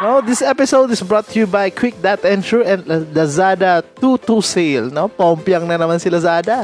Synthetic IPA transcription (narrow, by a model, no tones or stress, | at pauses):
nod̪ɪsɛpɪsoʊd̪ɪsbɹɔt̪ʰːjubajkʰwɪk̚d̪at̪ɛ̃ntuɛ̃nd̪ɐzad̪at̪ut̪uselnopaɔmpjaŋnɐnɐmansɪlazad̪a